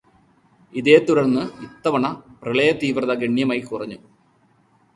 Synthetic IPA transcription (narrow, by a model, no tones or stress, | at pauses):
iðeːt̪uɾɐrnːɨit̪ːɐʋɐɳɐprɨɭɐjɐt̪iːʋrɐðɐɡeɳjɐmaːjikurɐɲːu